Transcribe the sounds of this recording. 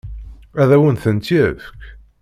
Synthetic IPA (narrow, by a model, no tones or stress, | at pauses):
æðæwənθənt̪jəfkʲ